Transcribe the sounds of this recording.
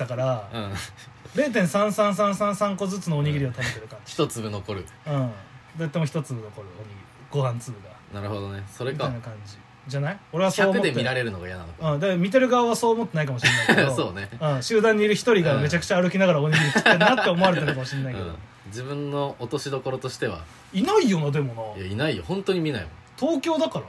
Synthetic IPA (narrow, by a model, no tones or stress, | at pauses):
t̪akaɾaɯ̃ | ɾe̞ːt̪̬ẽ̞ɰ̃sãɰ̃sãɰ̃s̬ãɰ̃sãɰ̃sãŋko̞zɨt͡sɨno̞oːɲ̟iɡʲiɾʲiat̪abe̞t̪e̞ɾɯ̟kãɲçi̥t̪ot͡sɨbɯ̟nokoɾɯ̟ɯ̃ːd̪aat̪ːaemoçi̥t̪o̞t͡sɨbɯ̟no̞ko̞ɾɯ̟oɲ̟iɡʲiɾ | ɡ̥o̞hãnt͡sɨːɡanaɾɯ̟hod̪onesoɾeiaijnakãɲd͡ʑi | d͡ʑanaio̞ɾeβasçoaːmɯot̪d̪emʲiɾaɾe̞ɾɯ̟noɡajana̰nokɯ̃ːd̪amʲit̪̬e̞ɾɯ̟ɡaβaβaso̞ːmo̞t̪ːe̞naikamo̞ɕiɾenaiedosoːneɯ̃ːɕɨːd̪ãɲ̟ːiːɾɯ̟çi̥t̪o̞ɾʲiɡame̞t͡ɕakɯ̟̥t͡ɕaːɾɯ̟kʲinaɣaɾaoɲ̟iiɾɯ̟t̪i̥ennat̪ːe̞omo̞aɾeaɾokamo̞ɕĩnːaike̞̰d̪omd͡ʑibɯ̟̃nːo̞ːt̪o̞ɕid̪o̞ko̞ɾo̞t̪o̞ɕi̥t̪e̞βa̰ | inaijo̞nad̪e̞mo̞nɑjainaijohõ̞nt̪o̞ɲ̟imʲinaḭmõ | t̪ʰo̞ːkʲo̞ːd̪akaɾa